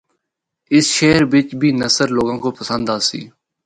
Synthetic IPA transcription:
ɪsʃeːɾbɪt͡ʃbʱiːnəsəɾloːɡãːkoːpəsə̃nd̪aːsḭː

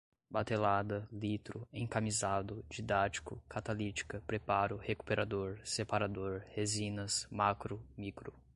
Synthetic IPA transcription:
bat̪elad̪ɐlit̪ɾʊẽkamizad̪ʊd͡ʒid̪at͡ʃi̥kʊkʰat̪alit͡ʃi̥kɐpɾepaɾʊheku̥peɾʔad̪oɾsepaɾad̪oɾhezĩnɐsmakɾʊmikɾʊ

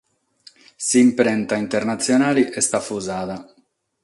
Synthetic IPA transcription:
simpɾɛnt̪aint̪ɛɾnat̪sjɔnaːliʔɛst̪afuzaːða

